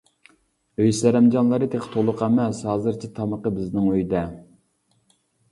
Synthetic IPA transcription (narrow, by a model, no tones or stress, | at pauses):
øjsɛɾɛmd͡ʒɑnlˠɑɾɨt̪ʰeχt̪ʰolˠʊqʰæmɛshɑːzɨɾt͡ʃʰit̪ʰɑməqəbɪznɪŋøjd̪ɛ